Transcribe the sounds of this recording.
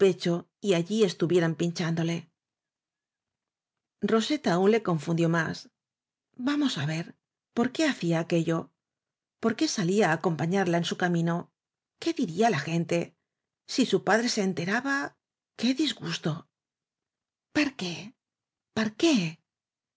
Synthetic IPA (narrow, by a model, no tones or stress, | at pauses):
pe̞t͡ʃo̞ | iaʎie̞st̪uβje̞ɾampiɲt͡ʃand̪o̞le̞ | ro̞se̞t̪aːunle̞ko̞ɱfund̪jo̞mas | bamo̞saβe̞ɾ | po̞ɾke̞aθiaːke̞ʎo̞ | po̞ɾke̞saliaːko̞mpaɲaɾlae̞nsukamĩno̞ | ke̞ðiɾiaːlaxe̞nt̪e̞ | sisupaðɾe̞se̞ːnt̪e̞ɾaβa | ke̞ðizɣust̪o̞ | paɾke̞ | paɾke̞